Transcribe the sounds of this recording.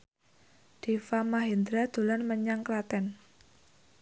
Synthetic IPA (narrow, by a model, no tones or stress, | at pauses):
d̪̥efamaɦind̪ɾad̪̥ṳlanməɲaŋklat̪ɛn